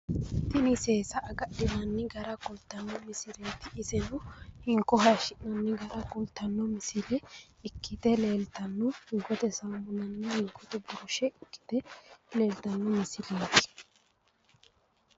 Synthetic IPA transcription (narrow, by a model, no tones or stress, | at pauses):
t̪ɪnɪseːsɐʔːɡɐɗɪnɐnːɪɡɐɾɐkʊlt̪ːɐnːɔmɪsɪlet̪ɪːsɛnʊhɪŋkːɔɦɐjʃɪʔnɐnːɪɡɐɾɐkʊlt̪ːɐnːɔmɪsɪlɛ | ɪkːɪt̪ɛle̞ːlt̪ɐnːɔhɪŋkɔt̪ɛsɐmmʊnɐnːɛhɪŋkːɔt̪ɛbʊɾʊʃɛɪkːɪ̥t̪ɛle̞ːlt̪ɐnːɔmɪsɪlikː